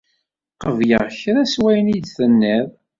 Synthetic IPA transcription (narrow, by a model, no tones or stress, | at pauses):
qəvjəʁçɾæswæjnid̪θənːæð